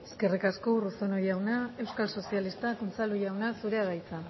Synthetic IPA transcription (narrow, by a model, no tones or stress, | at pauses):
e̞ske̞rikasko̞uruso̞nojawnae̞wskalso̞sialist̪akunt͡salujawnasuɾeaɣajt͡sa